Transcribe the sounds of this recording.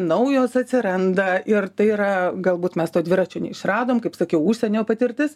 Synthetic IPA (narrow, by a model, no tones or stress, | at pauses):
nɐʊjoːsɐt̪ʲsʲɪɾɐnd̪ɐɪrt̪ɐɪiɾɐɡɐlˠbuːt̪mʲɛst̪oːd̪ʲʋʲɪɾɑt͡ʃʲoːnʲɛ̰ɪʃrɑːd̪oːmkɐɪpsɐkʲɛʊuʃʲsʲɛnʲoːpɐt̪ʲɪrʲt̪ʲɪs